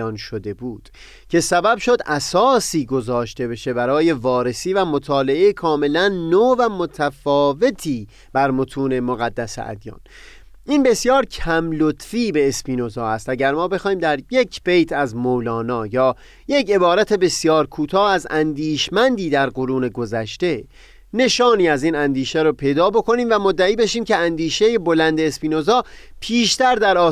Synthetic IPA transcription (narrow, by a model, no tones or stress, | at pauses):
ɒːnʃod̪e̞buːd̪̥ | cʰe̞sæbæbʃo̞d̪ʔæsɒːsiːɡo̞zɒːʃt̪e̞be̞ʃe̞bæɾɒːje̞vɒːɾe̞siːvæmot̪ʰɒːle̞ʔejekʰɒːme̞lænːoːvæmot̪ʰæfɒːve̞t̪ʰiː | b̥æɾmot̪ʰuːne̞moɣæd̪ːæsḛʔæ̰d̪jɒ̰ːn | ʔinbe̞sjɒːɾcʰæmlot̪ʰfiːbe̞ːspiːno̞zɒːhæst̪æɟæɾmɒːbe̞xɒːhiːmd̪æɾje̞cʰb̥ejt̪ʰæzmowlɒːnɒːjɒː | je̞ce̞bɒːɾæt̪ʰe̞be̞sjɒːɾkʰuːt̪ʰɒːæzænd̪iːʃmænd̪iːd̪æɾɢoɾuːne̞ɡozæʃt̪e̞ | ne̞ʃɒːniːæziːnænd̪iːʃæɾopʰe̞jd̪ɒːbo̞kʰo̞niːmvæmod̪ːæiːbe̞ʃiːmceænd̪iːʃe̞jebo̞lænd̪e̞ːspiːnozɒː | pʰiːʃt̪æɾd̪æɾɒː